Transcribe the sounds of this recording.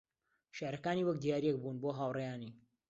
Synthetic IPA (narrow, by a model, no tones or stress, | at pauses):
ʃaːɾɐkaːniːwɐk̚d̪ijaːɾijek̚bunboːɦaːwrejaːniː